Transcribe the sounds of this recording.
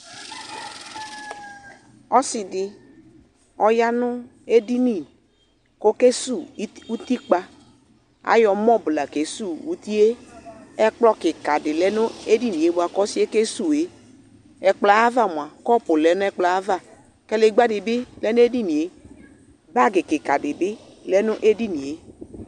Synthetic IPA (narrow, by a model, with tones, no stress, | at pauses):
ɔ˦sɪ˨dɪ˨ | ɔ˨ja˦nʊ˦ | e˦di˦ni˦˨ | ko˦ke˦su˦˨˦u˦t̪i˦k͡pa˦ | a̰˦jɔ˨mɔ˦bla˨ke˨su˦˨u˨˦t̪i˦e˦ɛ˦k͡plɔ˦kɪ˨ka˨dɪ˨lɛ˦nʊ˦e˦di˦nĩ˨e˨˦bʊ˦a˨kɔ˦si˦e˦ke˦su˦˨e˨˦ | ɛ˨k͡pla˨˦a˦va˦˨m˨a˨kɔ˦pʊ˨lɛ˨˦nʊ˦ɛ˦k͡pla˨a˦va˦˨ | kɛ˦le˨˦ɡ͡ba˦dɪ˨bɪ˦lɛ˦nʊ˦e˦di˦nĩ˨e˨˦ | ba˦˨ɡɪ˨kɪ˨ka˨dɪ˨bɪ˦ | lɛ˦nʊ˦ʔe˦di˦ni˨e˦